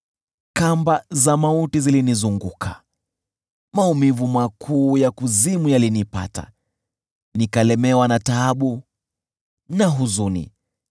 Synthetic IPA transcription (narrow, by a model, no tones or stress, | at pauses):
kambazamautizilinizuŋɡukʰa | maumivumakʰuːjakuzimujalinipa̰ta̰ | nikalɛmɛwanataːɓu | naɦuzunḭ